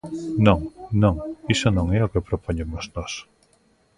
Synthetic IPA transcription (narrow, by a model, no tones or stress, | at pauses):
nõŋnõŋisonõŋɛokepɾopoɲemoznɔs